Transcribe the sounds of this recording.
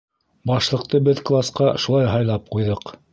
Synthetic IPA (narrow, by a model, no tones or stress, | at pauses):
bɑʃlˠɤ̆q̚t̪ɤbɘðklˠasqɑʃulˠɑjɦɑjlˠɑp̚qujðɤq